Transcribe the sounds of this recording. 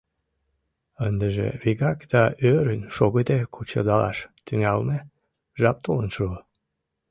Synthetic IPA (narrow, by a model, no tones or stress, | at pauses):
ənd̪əʒḛβiɣɑkd̪̥ɑøɾənʃoɣəd̪ekʰut͡ɕə̰d̪ɑlɑ̰ʃt̪yŋælne | ʒɑp̚t̪olənʃu